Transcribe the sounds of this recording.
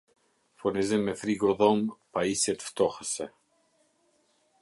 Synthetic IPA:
fonɛzemeθɾiɡoðɔmpaisɛt̪ft̪ɔxase

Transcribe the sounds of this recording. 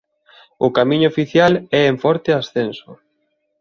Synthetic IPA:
ʊkamĩɲʊːfiθjalɛeɱfɔɾt̪ɪasθensʊ

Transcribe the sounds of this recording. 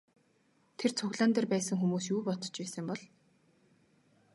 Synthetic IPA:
t̪ʰert͡sʰʊɣɮaːnt̪ĕːrpæːsə̆ŋxumuːsjuːpɔt̪ɞ̥̆t͡ɕpæːsə̆mpɔɮ

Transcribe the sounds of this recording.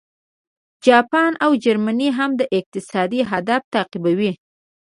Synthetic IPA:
d͡ʒɑpɑnawd͡ʒaɾmaniɦamd̪əʔɪq̚t̪ɪsɑd̪iɦad̪aft̪aɑqibawi

